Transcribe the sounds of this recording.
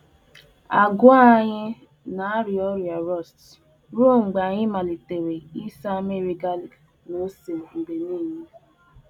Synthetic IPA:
a˨ɡʊ˦a˦ɲɪ˦ | na˨a˦ɾi˨ɔ˦ɾja˨ɾɔ˦˨st | ɾu˦˨ŋ͡m̩˨ɡ͡ba˨ɲɪ˦ma˨li˨te˨ɾe˨i˦sa˦me˦˨ɾi˨ɡa˦li˨k | no˦se˨ŋ͡m̩˨ɡ͡be˨niː˦˨me˦

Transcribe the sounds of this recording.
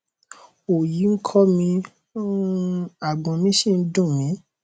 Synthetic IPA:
o˨ji˨˦ŋ̩˦kʰɔ˦mĩ˧˦ | a˨ɡ͡bɔ̃˧mĩ˦ʃĩ˦˨n̩˦dũ˦˨mĩ˨˦

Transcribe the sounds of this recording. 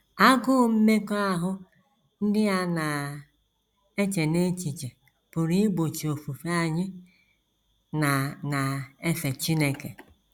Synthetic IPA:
a˦ɡʊ˦˨˦m̩˦me˦ko˦a˦ɦʊ˦ | n̩˦dɪ˦a˦na˨ | e˦t͡ʃe˨ne˦t͡ʃi˨t͡ʃe˨ | pʊ˨ɾi˦ɡ͡bo˨t͡ʃi˨o˨fu˨fe˦a˨ɲɪ˦ | na˨na˨e˦fe˨t͡ʃi˦ne˨kḛ˨

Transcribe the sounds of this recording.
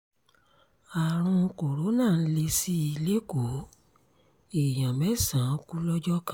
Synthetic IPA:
a˨ɾ̃ũ˧ko˨ɾo˨˦nãː˦˨n̩˦le˧si˦i˧le˦ko˨˦ | e˨j̃ã˨mɛ˨˦sã˨˦ku˦lɔ˦d͡ʒɔ˦kã˦

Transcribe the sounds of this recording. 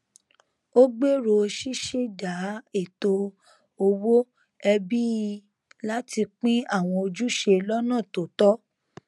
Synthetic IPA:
o˦ɡ͡be˦ɾo˧ʃi˦ʃe˦da˨˦e˦˨to˧ | o˧wo˦ | ɛ˧bi˦˧ | la˦ti˧k͡pĩ˦a˦˨w̃ɔ̃˧o˧d͡ʒu˦ʃe˧lɔ˦nãː˦˨to˨tɔ˦

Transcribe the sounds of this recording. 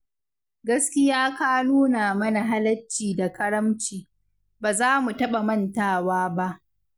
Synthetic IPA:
ɡɐ˦skʲɪ˦jaː˦kaː˦nuː˦naː˨mɐ˦na˨ɦa˦lɐ˦t͡ʃːiː˨da˨kɐ˦ɽɐ˦mt͡ʃiː˨ | baː˨zaː˦mu˨tɐ˦ɓa˨mɐ˦ntaː˦˨waː˦ba˦ʔ

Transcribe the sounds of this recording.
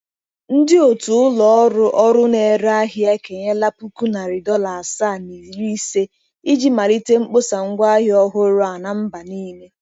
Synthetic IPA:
n̩˦dɪ˦o˨tu˨ʊ˦lɔ˨ɔ˦ɾʊ˦ʔɔ˦ɾʊ˦ne˨ɾa˦ɦɪ˦a˦ke˨ɲe˦la˦pu˦ku˦na˨ɾɪ˨dɔ˦la˨a˨saː˦˨ni˨ɾi˦se˦ | i˦d͡ʒi˦ma˨li˦te˦ŋ͡m̩˦k͡po˦sa˨ŋ̩˦ɡʷa˦ɦɪ˦ɔ˦ɦʊ˦ɾʊ˦a˨na˦˨m̩˦ba˨ni˦me˦

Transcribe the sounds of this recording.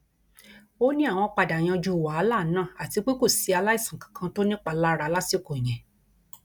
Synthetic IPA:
o˦nĩ˦a˦˨w̃ɔ̃˧k͡pa˧da˨j̃ã˧d͡ʒu˧˨wa˨a˦la˦˨˦nãː˦˨a˨ti˨˧k͡pe˦ko˦˨si˨˧a˧la˦i˦˨sã˨kḁ̃˨kʰã˧˦to˦nĩ˦k͡pa˧˨la˦ɾa˧˦la˦si˦˨ko˨j̃ɛ̃˨

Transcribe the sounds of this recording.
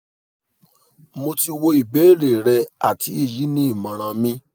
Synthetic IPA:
mo˧ti˧wo˧i˨be˨˦˨ɾe˨ɾɛ˧a̰˨ti˨˦i˦˨ji˨˦nĩ˦i˦˨mã˨ɾ̃ã˧mĩ˦

